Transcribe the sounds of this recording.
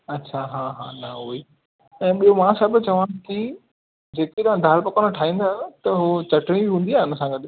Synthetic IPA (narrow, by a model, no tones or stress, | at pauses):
ɐtːt͡ɕʰaɦãːɦa̰ːnɐɦoi | ɛ̃ːɓijomãːsɐbt͡ɕɐʋãkɪ | d͡ʑeːket̪aãd̪ʱaːlpɐkonəʈʰaːɦĩːn̆d̪aːɦt̪ɐɦot͡ɕɐʈɽ̃ĩbiɦũːnd̪iaːɪnəsãɡɐɗ